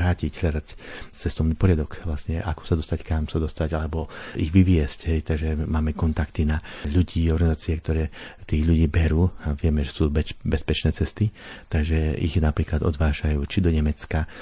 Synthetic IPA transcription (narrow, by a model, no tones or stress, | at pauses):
ɾaːcicɦʎad̪act͡sɛst̪ɔʋniːpɔɾɪad̪ɔkʋlasɲɛʔakɔ̥sad̪ɔst̪ackamsad̪ɔst̪aɟalɛbɔiɣʋiʋɪɛscɦɛjt̪aɡʒɛmaːmɛkɔnt̪akt̪inaʎuɟiːɔɾɡanizaːt͡siɛkt̪ɔɾɛːt̪iːɣʎuɟiːbɛɾuːaʋɪɛmɛʒɛsuːbɛbɛspɛt͡ʃnɛːt͡sɛst̪i | t̪aɡʒɛʔḭxnapɾiːklad̪ɔ̰d̪ʋaːʒajuːt͡ʃid̪ɔɲɛmɛt͡ska